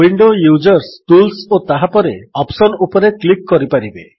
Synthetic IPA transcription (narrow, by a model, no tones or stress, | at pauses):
wiɳɖojud͡ʒɔɾsʈulsot̪aɦapɔɾeɔpsɔnupɔɾeklikːɔɾipaɾibe